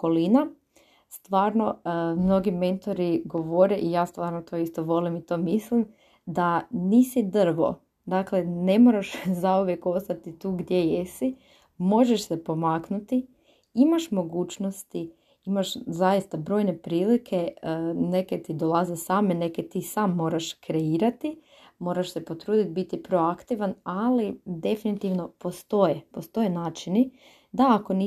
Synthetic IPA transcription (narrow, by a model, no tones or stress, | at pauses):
ko̞lina | st̪ʋaːɾno̞mno̞ɡime̞nt̪o̞ɾiɡo̞ʋoɾeʔijaːst̪ʋaːɾnot̪o̞ist̪oʋo̞limit̪o̞ːmislim | d̪aniːsid̪r̩ʋo̞̰ | d̪akle̞ne̞moɾaʃzauʋjeko̞st̪at̪it̪uːɡd̪je̞jesi | mo̞ʒeʃsepo̞maːknut̪i | imaʃmo̞ɡuːt͡ʃnost̪i | imaʃzajist̪abɾo̞ːjne̞pɾiːlikʰe̞neket̪id̪o̞lˠazesaːmene̞ket̪iːsaːmːo̞ːɾaʃkɾe̞iːɾat̪i | mo̞ːɾaʃse̞po̞t̪ɾuːd̪it̪̚bit̪ipɾo̞akt̪iʋanalid̪e̞finit̪iʋno̞po̞st̪o̞jepo̞st̪o̞jenaːt͡ʃini | d̪aːko̞ni